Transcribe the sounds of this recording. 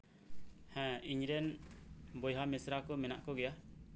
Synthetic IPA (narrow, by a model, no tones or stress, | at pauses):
hɛ̃iɲɾɛn | bɔjɦamɛsɾakɔmɛna̰ʔkɔɡɛja